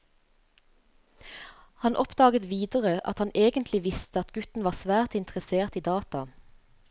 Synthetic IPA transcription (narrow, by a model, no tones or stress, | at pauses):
hɑnʔɔpd̪ɑːɡət̪ʋiːd̪əʁəʔɑ̰t̪hɑnʔeːɡənt̪lɪʋɪst̪əɑt̪ɡʉt̪n̩ʋɑːsʋæːʁt̪ɪnt̪əʁəseːʁt̪iːd̪ɑːt̪ɑ